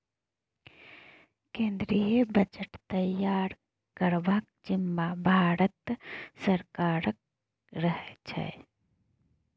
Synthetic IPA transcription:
kẽnd̪ɾiəbəd͡ʒəʈt̪əjaɾ | kəɾbak̚d͡ʒimːabʱaɾət̪səɾkaɾək̚ | ɾəɦɛt͡ʃʰɛ̰

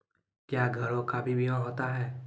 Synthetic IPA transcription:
kjaːɡʱəɭokaːbibʱiɦãɦoːt̪aɦɛː

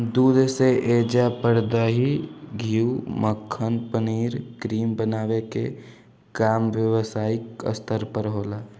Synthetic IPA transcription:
d̪uːd̪seʔeːd͡ʒapəɾd̪aɦiɡʱiːuməkʰːənpəniːɾkɾiːmbənaːwekḛ | kaːmʋjəʋsaːɪkə̰st̪əɾpəɾɦoːlaː

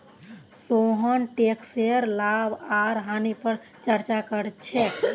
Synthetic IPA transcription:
soɦənʈekseɾlabaɾɦanipəɾ | t͡ʃəɾt͡ʃakəɾt͡ʃʰɛ

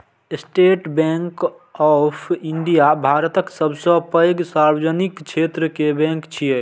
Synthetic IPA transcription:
sʈeʈbɛ̃ŋk | ɔpʰiɳɖijabʱaɾət̪əksəbʱsɔ̃pəjɡsaɾbd͡ʒənikt͡ʃʰet̪ɾəkebɛ̃ŋkt͡ʃʰije

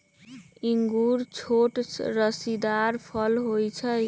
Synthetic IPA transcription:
iŋɡuɾt͡ʃʰoʈɾʌsid̪aɾpʰʌlɦojt͡sʰʌj

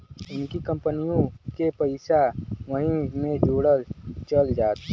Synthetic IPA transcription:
ʊnkikə̃mpənijõkepəɪsaʋəɦĩmẽd͡ʒoːɽəlt͡ʃəld͡ʒaːt̪

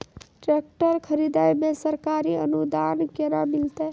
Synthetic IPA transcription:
ʈɾek̚ʈəɾkʰəɾid̪ajmesəɾkaɾiənud̪ankeɾamilt̪e

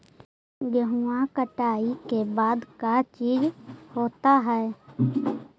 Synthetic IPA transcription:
ɡəɦuãkəʈaːikebaːd̪kat͡ʃiːd͡ʒhoːt̪aɦɛː

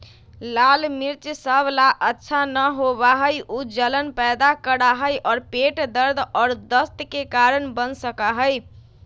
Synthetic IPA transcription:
lalmiɾt͡ʃsəblaʔətːʃʰanəɦoβaɦəjud͡ʒələnpɛjd̪akəɽaɦəjʔɔːɾpeʈd̪əɾd̪ʱɔːɾd̪əst̪kekaɾənbənsəkaɦəj

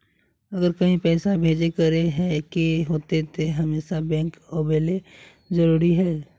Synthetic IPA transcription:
ɐɡəɾkɐɦĩpɛːsabʱeːd͡ʒekəɾeɦɛ̃kiɦoːt̪et̪oɦɐmeːsabɛ̃ːŋkɔːbeːle | zəɾuːɾiɦɛː

